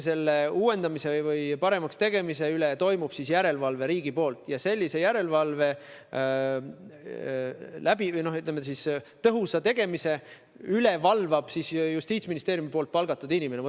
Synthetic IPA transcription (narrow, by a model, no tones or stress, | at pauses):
se̞lːe̞uːwe̞nd̪̥ɑmise̞vɯjpɑɾe̞mɑkst̪e̞ɡ̥e̞mise̞ylet̪o̞jmub̥sisjæɾe̞lvɑlve̞ɾiːɡ̥ipo̞ːlt̪ˑjɑse̞lʲːise̞jæɾe̞lvɑlve̞ | læb̥ino̞hyt̪ːˑlemesist̪ɤɦusɑt̪e̞ɡ̥e̞mise̞ | yle̞vɑlvɑb̥sisjust̪iːt̪sʲminist̪eːɾjumipo̞ːlt̪̚pɑlɡ̥ɑt̪ːˑud̪inʲimeneo